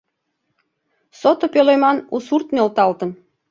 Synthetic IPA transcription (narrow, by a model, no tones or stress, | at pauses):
sot̪opølojmɑnusurt̪mĕlt̪ɑlt̪ə̆n